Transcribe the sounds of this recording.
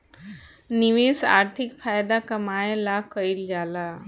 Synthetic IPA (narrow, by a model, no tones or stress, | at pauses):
niʋeːsa̰ːɾt̪ʰɪkfʰaːjd̪akɐmaːelakəild͡ʒaːla